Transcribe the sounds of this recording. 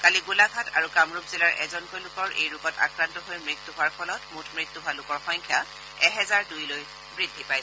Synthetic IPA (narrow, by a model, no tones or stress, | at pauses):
kaliɡulaɡʱatʰa̰ɹukamɹupzilaɹʔɛ̰zɔnkɔjlʊkɔɹʔḛjɹʊkɔta̰kɹantɔɦojmɹitːuɦʊaɹpʰɔlɔtmutʰmɹitːuɦʊalʊkɔɹxɔjŋkʰja | ɛɦɛzaɹdujloj | bɹidʱːipaj